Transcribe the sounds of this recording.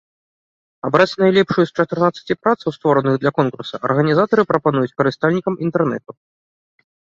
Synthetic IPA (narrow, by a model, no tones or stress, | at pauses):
abɾat͡sʲnajlʲɛpʂɨjust͡ʂɐt̪ɨrnat̪sːɐ̥t͡sʲipɾat̪sɐwst̪vɔɾɐnɨɣd̪lʲɐkɔnkursɐ̰ʔɐ̰rɣɐnʲizat̪ɐɾɨpɾɐpanujut͡sʲkɐɾɨst̪alʲnʲikɐmint̪ɛrnɛ̰t̪u